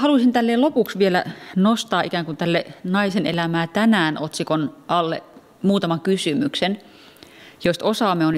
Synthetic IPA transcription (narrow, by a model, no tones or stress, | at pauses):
hɑlusint̪ælːeːlopuksʋielæ̰nost̪ɑːʔikæːŋkunt̪ælːenɑisenelæmæːt̪ænæːnot̪sikonʔɑlːḛ | muːt̪ɑmɑŋkysymyksen | jost̪osɑːˑmːˑeon